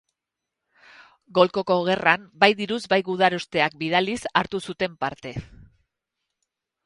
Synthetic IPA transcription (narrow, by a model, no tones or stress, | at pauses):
ɡo̞lko̞ko̞ɣ̞e̞rambajðiɾuzbajɣuðaɾost̪e̞ak̚bið̞alisaɾt̪usut̪e̞mpaɾt̪e̞